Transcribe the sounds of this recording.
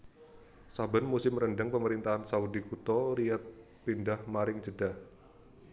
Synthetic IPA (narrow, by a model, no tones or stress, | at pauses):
sabanmusɪmɾəndəŋpəməɾint̪aɦansaudikut̪ɔɾiat̪̚ | pindahmaɾɪŋd͡ʒədah